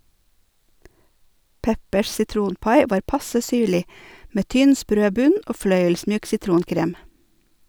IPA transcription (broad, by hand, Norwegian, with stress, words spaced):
ˈpɛpəʃ sɪˈtɾuːnˌpɑɪ ˈʋɑːɾ ˈpɑsə ˈsyːɭɪ ˈmeː ˈtʏn ˈspɾøː ˈbʉn ˈoː ˈflœʏəlˌsmyːk sɪˈtɾuːnˌkɾeːm